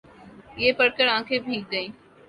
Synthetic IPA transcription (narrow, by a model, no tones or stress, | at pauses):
ɪeːpəɽkəɽãːkʰeːbʱiːk̚ɡəĩː